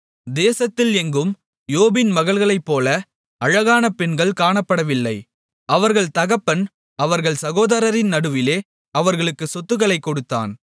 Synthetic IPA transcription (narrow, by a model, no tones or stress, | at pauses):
d̪eːsɐt̪ːɪlɛŋɡɯm | joːbɪnmɐɣɐɭɣɐɭɐɪpːoːlɐ | ɐɻɐɣaːnɐpɛɳɡɐɭkaːɳɐpːɐɽɐʋɪlːɐɪ | ʔɐʋɐɾɣɐɭt̪ɐɣɐpːɐn | ɐʋɐɾɣɐɭsɐɣoːðɐɾɐɾɪnnɐɽɯʋɪleː | ɐʋɐɾɣɐɭɯkːɯsɔt̪ːɯɣɐɭɐɪkːɔɽɯt̪ːa̰ːn